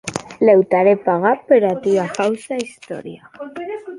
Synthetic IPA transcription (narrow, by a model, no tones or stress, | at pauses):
lewt̪aɾepaɣapeɾat̪iakawsaist̪o̰ɾja